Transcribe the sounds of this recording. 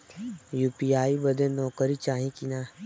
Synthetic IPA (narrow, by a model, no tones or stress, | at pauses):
juːpiaːibəd̪ẽnɔːkəɾit͡ʃaːɦĩkina